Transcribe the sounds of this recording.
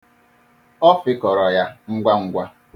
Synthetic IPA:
ɔ˦fɪ˦kɔ˨ɾɔ˨ja˦ŋ̩˦ɡʷa˦ŋ̩˦ɡʷa˦

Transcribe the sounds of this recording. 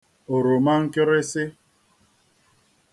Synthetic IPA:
o˨ɾo˨ma˦ŋ̩˦ke˦ɾe˦sɪ˦

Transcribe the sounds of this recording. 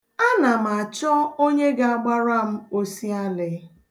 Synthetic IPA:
a˦na˨m̩˨a˨t͡ʃɔ˦o˦ɲe˦ɡa˦˨a˦ɡ͡ba˦ɾa˦m̩˦o˦si˦a˦lɪ˨

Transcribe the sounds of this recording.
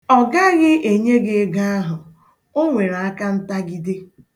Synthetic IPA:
ɔ˨ɡa˦ɣɪ˦ʔe˨ɲe˦ɡe˦ɡa˦a˦ɦʊ˨ | o˦ŋʷe˨ɾa˨a˦ka˦n̩˦ta˦ɡi˦dɪ˦

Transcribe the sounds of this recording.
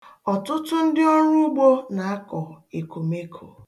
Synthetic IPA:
ɔ˨tʊ˦tʊ˦n̩˦dɪ˦o˦ɲu˦u˦ɡ͡bo˦na˨a˦kɔ˨e˨ko˨me˦kʰo̰˨

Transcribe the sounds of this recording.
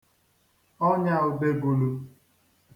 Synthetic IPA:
ɔ˦ɲa˦˨ʊ˨be˨ɡu˨lu˨

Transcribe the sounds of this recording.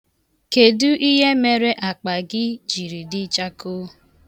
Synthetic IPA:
ke˨du˦ʔi˦ɦe˦me˨ɾe˦ʔa˨k͡pa˨ɡɪ˦d͡ʒi˨ɾi˨dɪ˦t͡ʃa˦ko˦

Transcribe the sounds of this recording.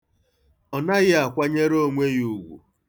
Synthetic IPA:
ɔ˨na˦ɣɪ˦a˨kʷa˦ɲe˦ɾo˦ŋʷe˦ɣu˦ɡʷṵ˨

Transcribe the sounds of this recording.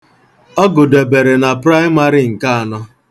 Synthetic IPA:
ɔ˦ɡʊ˨de˨be˨ɾe˨na˨pɾa˦ɪ˦ma˦ɾi˦ŋ̩˨ka˦a˨nɔ˦

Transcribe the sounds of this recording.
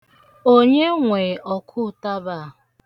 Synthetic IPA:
o˦ɲe˦ŋʷe˨ʔɔ˨kʰʊ˦˨ta˦ba˦˨

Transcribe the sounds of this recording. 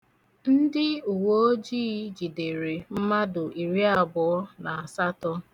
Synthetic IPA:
n̩˦dɪ˦u˨wo˨˦o˦d͡ʒiː˦d͡ʒi˨de˨ɾe˨m̩˦ma˦dʊ˨i˨ɾi˦a˦bɔ˨ɔ˦na˨a˨sa˦tɔ˦

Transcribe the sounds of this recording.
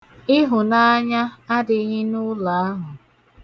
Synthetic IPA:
ɪ˦ɦʊ˨na˦ɲa˦a˦dɪ˨˦ɦɪ˦nʊ˦la˨a˦ɦʊ˨

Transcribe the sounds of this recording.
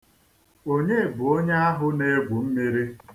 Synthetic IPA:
o˦ɲe˦˨bʊ˨o˦ɲa˦a˦ɦʊ˦ne˦ɡʷu˨m̩˦me˦ɾi˦

